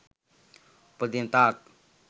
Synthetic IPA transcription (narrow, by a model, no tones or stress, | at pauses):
pəd̪int̪aːk̚